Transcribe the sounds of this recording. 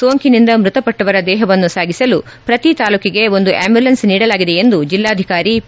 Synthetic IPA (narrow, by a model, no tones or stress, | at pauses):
soːŋkinind̪ɐmɾut̪ɐpɐʈːɐʋɐɾɐd̪ɛːɦɐʋɐnːusaːɡisɐlu | pɾɐt̪it̪aːluːkiɡe̞o̞nd̪uʔeːmbjulɐnsniːɽɐlaːɡid̪e̞end̪ud͡ʒilːaːd̪ʱikaːɾi